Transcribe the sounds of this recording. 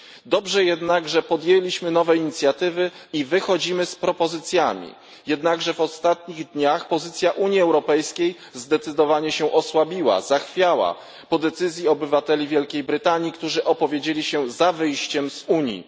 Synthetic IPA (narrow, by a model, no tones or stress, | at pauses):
d̪ɔbʐɛjɛd̪naɡʐɛpɔd̪jelʲiɕmɘnɔvɛiɲit̪sʲjat̪ɘvɘ | ivɘxɔd͡ʑimɘspɾɔpɔzɘt̪sʲjamʲḭ | jɛd̪naɡʐɛvɔst̪at̪ɲiɣd̪ɲaxpɔzɘt̪sʲjaʔuɲjiɛwɾɔpɛjskʲej | zd̪ɛt̪sɘd̪ɔvaɲɛɕɛʔɔswabʲiwa̰zaxfʲjawa̰ | pɔd̪ɛt̪sɘzʲjiɔbɘvat̪ɛlʲivʲjɛlkʲejbɾɘt̪aɲjikt̪uʐɘʔɔpɔvʲjed͡ʑelʲiɕɛzavɘjɕt͡ɕɛmzuɲjḭ